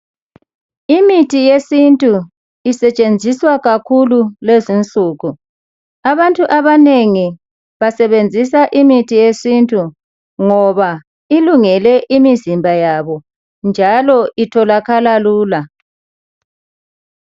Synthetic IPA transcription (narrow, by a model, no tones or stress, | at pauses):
imitʰijesintʼu | isɛt͡ʃʼend͡zʱiswaɣakʰululezint͡ɬʼuːɣu | aβantʼuʔaβaneŋi | βasɛβend͡zʱisaʔimitʰijesintʼu | ŋɔβa | iluŋɛlɛʔimizimbʱajaβɔ | nd͡ʒʱalɔʔitʰɔlakalaluːla